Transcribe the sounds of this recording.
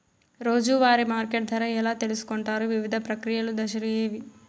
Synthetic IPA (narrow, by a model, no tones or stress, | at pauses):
ɾoːd͡ʒuʋaːɾimaːɾkeʈ̚d̪ʱɐɾɐɛlaːt̪elisu̥koɳʈaːɾuʋiʋid̪ʱɐpɾɐkɾijɐlud̪ɐʃɐɾijeːʋi